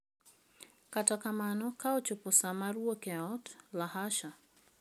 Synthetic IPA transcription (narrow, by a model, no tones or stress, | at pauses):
katakamanɔkaɔt͡ʃʊpʊsamaɾwokɛaɔtlahaʃa